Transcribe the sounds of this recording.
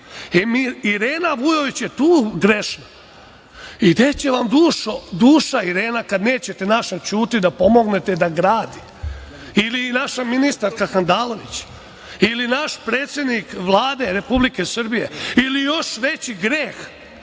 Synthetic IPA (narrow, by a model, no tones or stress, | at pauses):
emiiɾeːnaʋujo̞ʋit͡ɕjet̪uːɡɾeʃna | id̪et͡ɕe̞ʋamd̪uːʃod̪uːʃaiɾeːnakad̪ne̞ːt͡ɕe̞t̪enaʃat͡ʃuːt̪id̪apo̞mo̞ɡne̞t̪ed̪aɡɾaːd̪i | ilinaʃaminist̪aɾkaxand̪aːlo̞ʋḭt͡ɕ | ilinaʃpɾeːt̪sʲje̞d̪nikʋlˠaːd̪e̞ɾe̞publikesr̩bije̞̰ilijo̞ʃʋet͡ɕiɡɾeːx